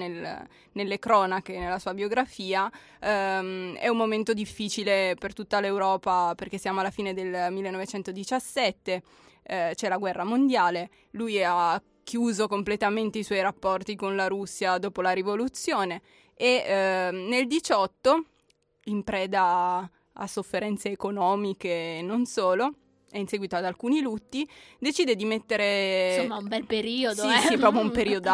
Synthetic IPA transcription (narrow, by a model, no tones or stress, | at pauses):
nel | nelːekɾɔːnakenelːasuːabjoɡɾafiːa | ɛ̰umːoment̪od̪ifːit͡ʃilepert̪ut̪ːalewɾɔːpaperk̟esːjaːmoalːafiːned̪elmilːenovet͡ʃɛnt̪od̪it͡ʃasːɛt̪ːe | t͡ʃɛlaɡwɛrːamond̪jaːle | luja | kːjuːzokomplet̪ament̪eiswɔjɾapːɔrt̪ikonlaɾusːjad̪oːpolaɾivolut̪sːjoːne | e | neld̪it͡ʃɔt̪ːo | impɾɛːd̪a | a̰sːofːeɾɛnt̪seːkonɔːmikenonsoːlo | ɛinsɛːɡwit̪oad̪alkuːnilut̪ːid̪et͡ʃiːd̪ed̪imet̪ːeɾemaumbɛlpeɾiːod̪isipɾɔːp̬joumpeɾiːod̪